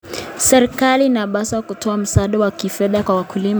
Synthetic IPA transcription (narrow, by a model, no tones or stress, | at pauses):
sɛɾikaliːnaɓasakutʰɔam̩saɗawakifɛðakwawakulima